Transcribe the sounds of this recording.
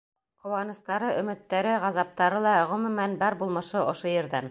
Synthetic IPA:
qŏwɑnɤ̆st̪ɑɾɤʔɵ̆mɘ̆t̪ːæɾɘʁɑzɑp̚t̪ɑɾɤlˠɑʁɵ̆mɵ̆mænbɑɾbulˠmɤ̆ʃɤʔŏʃojɘ̆ɾðæn

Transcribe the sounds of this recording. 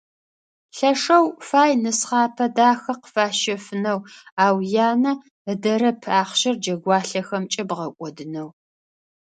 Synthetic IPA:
ɬɐʂɐwfaːjnɨsχɑːpʰɐdaːxɐqə̥faːʃɐfɨnɐwaːwjaːnɐ | dɐɾɐpʰaːχɕɪrd͡ʒɐɡʷɑːɬɐxɐmt͡ʃʼɐbʁɐkʷʼɔdɨnɐw

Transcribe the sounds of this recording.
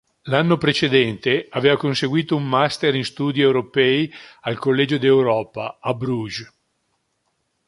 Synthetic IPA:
lanːopɾet͡ʃed̪ɛnt̪eaveːvakonseɡwiːt̪oumːast̪eɾinst̪uːd̪iewɾopɛialkolːɛːd͡ʒod̪iewɾɔːpaabɾuʒ

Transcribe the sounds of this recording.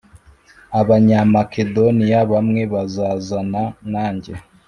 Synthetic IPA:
aβaɲamakedonijaβamŋeβazazananaːɲɟe

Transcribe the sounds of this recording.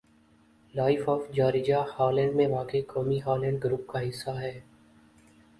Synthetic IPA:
laːɪfɔːfd͡ʒaːɾɪd͡ʒahaːlɛ̃ːɳɖmẽʋaːkekɔːmiɦaːlɛ̃ːɳɖ̚ɡɾuːp̚kaɦɪsːaɦɛː

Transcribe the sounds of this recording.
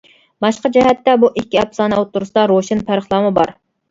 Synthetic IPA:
bɑʃqɑd͡ʒɛɦɛt̪ːɛbuʔikʲːiɛpsɑːnɛot̪ːuɾusɨd̪ɑɾoʃɪnpʰæɾəχlˠɑmɨbɑɾ

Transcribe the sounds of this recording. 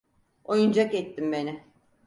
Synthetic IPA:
o̞jund͡ʒakɛt̪ːimbe̞nɪ

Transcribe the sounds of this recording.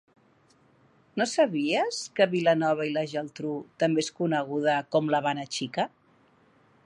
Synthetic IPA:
nosəβiəskəβilənɔβ̞ɐiləʒəlˠt̪ɾut̪əmbeeskunəɣ̞uð̞əkɔmləβanət͡ʃikə

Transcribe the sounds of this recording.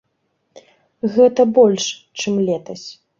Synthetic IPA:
ɣɛt̪ɐbɔlʲʂ | t͡ʂɨmlʲɛt̪ɐsʲ

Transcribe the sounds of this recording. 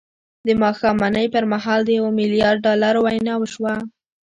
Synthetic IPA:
d̪əmɑxɑmanəjpəɾmaɦɑld̪əjawomɪlijɑɾɖ̚ːɑlaɾowajnɑwəʃwa

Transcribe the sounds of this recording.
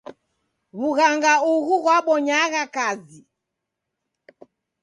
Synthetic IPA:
βuɣaŋɡauɣuɣwaɓɔɲaɣakazi

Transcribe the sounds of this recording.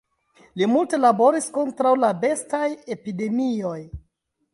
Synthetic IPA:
limulte̞labo̞ɾisko̞ntɾawlabe̞staje̞pide̞mio̞j

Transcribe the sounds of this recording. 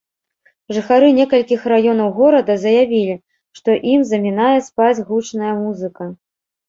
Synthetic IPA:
ʐɨxaɾɨnʲɛkɐlʲkʲixrajɔnɐwɣɔɾɐd̪ɐzɐjavʲilʲi | ʂt̪ɔʔimzɐmʲinajɛspad͡zʲɣut͡ʂnɐjɐmuzɨkɐ

